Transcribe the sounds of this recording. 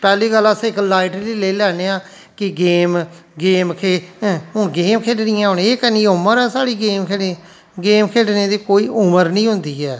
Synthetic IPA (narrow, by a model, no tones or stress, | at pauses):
pɛːliːɡəlːaːsãːɪklaːɪʈɾliːleːlɛːneːãː | kɪɡeːmɡeːmkʰeːɦõːɡeːmkʰeːɖnɪjãːɦoneeːkənĩːʊməɾɛːsaːɽiːɡeːmkʰe | ɡeːmkʰeːɖneːd̪iːkoːiːʔʊməɾnĩːɦʊnd̪iːɛː